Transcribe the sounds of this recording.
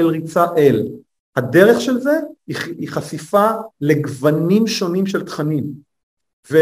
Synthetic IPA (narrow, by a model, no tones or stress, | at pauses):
elʁit͡saʔel | hade̞ʁeχʃelze̞iχasifale̞ɡvanimʃo̞nimʃelt̪χanim | ve